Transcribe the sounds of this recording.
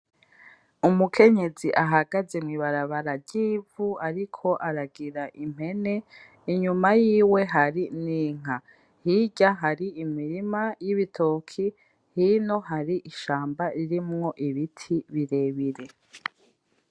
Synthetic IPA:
umukʰe̞ɲe̞ziʔaɦaɡaze̞mŋiβaɾaβaɾaɾɟiːvuaɾikʰo̞ʔaɾaɡiɾaʔim̥he̞ne̞ | iɲumajiːwe̞ɦaɾiniːŋ̥a | hiɟaɦaɾiimiɾimajiβitʰokʰi | hino̞ɦaɾiʔiʃaːmbaiɾimŋo̞ʔiβitʰiβiɾe̞βiɾe̞

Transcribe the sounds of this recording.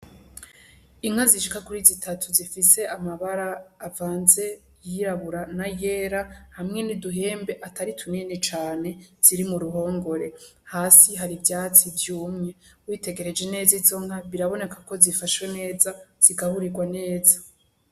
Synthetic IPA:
iŋ̥haziʃikakuɾizitatʰuzifise̞ʔamaβaɾaːvaːnze̞ | jiɾaβuɾanaje̞ɾahamŋe̞niduɦe̞ːmbe̞ʔataɾitʰuninet͡ʃaːne̞z̥iɾimuɾuɦo̞ːŋɡo̞ɾe̞haːsiɦaɾibjaːt͡sivjuːmŋe̞wiːte̞ɡe̞ɾe̞d͡ʒe̞ne̞ːzizo̞ŋ̥haβiɾaβo̞ne̞kako̞zifaʃwene̞ːzaz̥iɡahuɾiɡwane̞ːzḁ

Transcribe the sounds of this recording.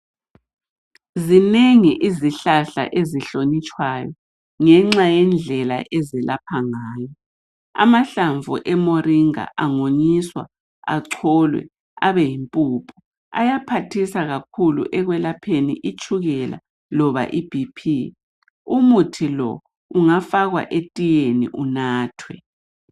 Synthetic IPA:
zineŋiʔiziɬaɬa̰ʔeziɬonit͡ʃʼwajɔ | ŋɛŋ͡ǁajɛnd͡ɮʱɛla̰ʔɛzɛlapʰaŋaːjɔ | a̰maɬaɱvṵʔɛmoɾiŋa̰ʔaŋoɲiswa | aǀʰɔlwɛ̰ | aβɛjimpʼuːpʰu̥ | a̰japʰatʰisaɣakʰulṵʔɛɣwɛlapʰenḭʔit͡ʃʼuɣɛla̰ | lɔβa̰ʔib̥ʱipʰi | umutʰilɔ̰ | uŋafaɣwa̰ʔetʼijenḭʔunaːtʰwɛ

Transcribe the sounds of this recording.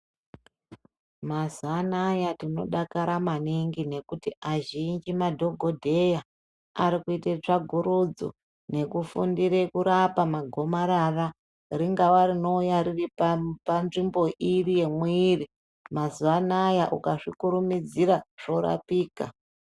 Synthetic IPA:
mazanajatino̞ɗakaɾamaniŋɡine̞kutiʔaʒind͡ʒimadʱo̞ɡʱo̞dʱe̞ja | aɾikuitet͡ʂaɡʱuɾud͡zo̰ | ne̞kufṵndiɾekuɾapamaɡʱo̞maɾara | riŋɡawarino̞ujaɾiripanʐimbo̞ʔirije̞mwiːri | mazuanajaʔukaʂikuɾumid͡ziɾaʐ̥o̞ɾa̰piːka̰

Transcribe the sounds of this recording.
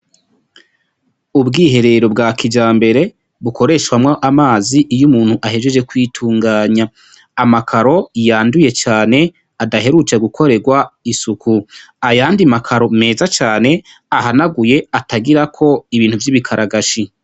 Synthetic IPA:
ubɡiːɦe̞ɾe̞ɾo̞bɡaːkʰid͡ʒaːmbe̞ɾe̞ | βuko̞ɾe̞ːʃwamŋoʔamaːziʔːjumuːn̥huʔaɦe̞ʒwed͡ʒe̞kwiːtʰuːŋɡaːɲaː | makʰaɾo̞ijaːnduje̞t͡ʃaːne̞ | adaɦe̞ɾut͡ʃeɡukʰo̞ɾe̞ɡwaisukʰu | ajaːndimakʰaɾo̞me̞ːzat͡ʃaːne̞ | ahanaɡuje̞atʰaɡiɾakʰo̞iβiːn̥huvjiβikʰaɾʔaɡaʃi

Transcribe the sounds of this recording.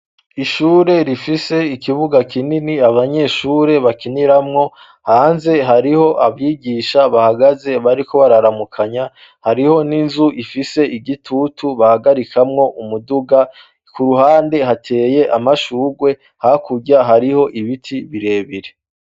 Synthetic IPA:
iʃuːɾe̞ɾifise̞ikʰiβuɡakininiaβaɲe̞ːʃuːɾe̞βakiniɾamŋo̞ | haːnze̞ɦaɾiho̞ʔaβjiːɡiːʃaβahaɡaze̞βaɾiko̞βaɾaɾamukʰaɲa | haɾiho̞ninzuʔifise̞iɡitʰutuβahaɡaɾikʰamŋo̞ʔumuduɡa | kuɾuhaːnde̞hatʰe̞ːje̞ʔamaʃuːɡwe̞ | hakuɟaɦaɾiho̞ʔiβitʰiβiɾe̞ːβiɾe̞

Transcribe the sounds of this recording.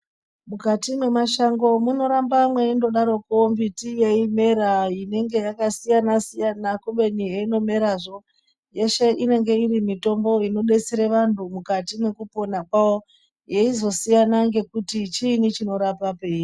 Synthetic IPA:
mukatimwe̞maʃaŋɡo̞muno̞ɾambamwe̞indo̞ɗaɾo̞kombitijeime̞ɾaine̞ŋɡe̞jakasijanasijanakuɓe̞nijeino̞me̞ɾaʐo̞ | je̞ʃe̞ʔine̞ŋɡe̞iɾimito̞mbo̞ino̞ɗe̞t͡seɾeʋantʰumukatine̞kupo̞nakwawo̞ | je̞izo̞sijanaŋɡe̞kutit͡ʃinit͡ʃino̞ɾapape̞ːi

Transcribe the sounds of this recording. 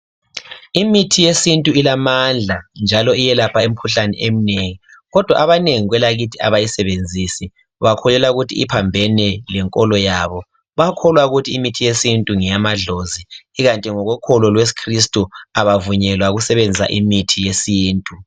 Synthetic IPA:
imitʰijesintʼuilamand͡ɮʱand͡ʒʱalɔijɛlapʰaem̩kʰuɬanɛ̰ʔem̩neŋiɣɔd̥ʱwa̰ʔaβaneŋiɣwɛlaɣitʰia̰βajisɛβend͡zʱisi | βakʰɔlɛlauɣutʰiḭpʰambʱɛnɛlɛŋkʼɔlɔjaβɔ | βakʰɔlwauɣutʰiːmitʰijesintʼuŋɛjamaɮoziːɣantʼiŋɔɣwɛkʰɔlɔlwes̬i̥kʰris̬tʼuaβavuɲɛlwaɣusɛβend͡zʱia̰ʔimitʰijesiːntʼu

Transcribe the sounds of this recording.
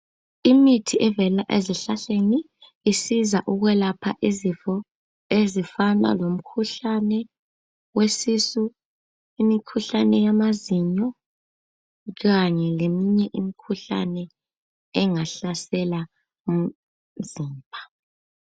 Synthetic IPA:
imitʰiʔɛvɛlaʔeziɬaɬeniː | sizaʔuɣwɛlapʰa̰ʔizifɔ | ezifana̰lom̩kʰuɬanɛ | wesisu | imikʰuɬanɛjamaziɲɔ | ɣaɲɛlemiɲɛʔimikʰuɬa̰nɛ | ɛŋaɬasɛla | z̥iːmbʱa

